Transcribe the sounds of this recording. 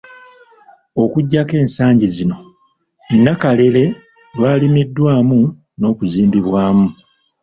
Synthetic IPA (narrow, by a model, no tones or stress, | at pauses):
o̞kuɟːake̞ːnsaːɲɟizino̞ | nːakale̞le̞ | lwaːlimidːwaːmu | no̞ːkuziːmbiβwaːmu